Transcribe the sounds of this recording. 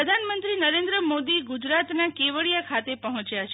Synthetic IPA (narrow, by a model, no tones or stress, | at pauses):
əd̪ʱanmənt̪ɾinəɾẽnd̪ɾəmod̪iɡud͡ʒɾat̪nakeʋəɭijakʰat̪epəɦɔ̃t͡ʃjat͡ʃʰ